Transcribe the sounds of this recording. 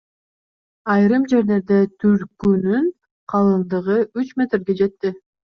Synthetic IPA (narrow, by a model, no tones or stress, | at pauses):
ɑjɾɯmd͡ʒe̞ɾle̞ɾd̪e̞t̪ʰyɾkynyn | qʰɑlˠɯnd̪ɯʁɯyt͡ʃmʲe̞t̪rɡe̞d͡ʒe̞t̪ːi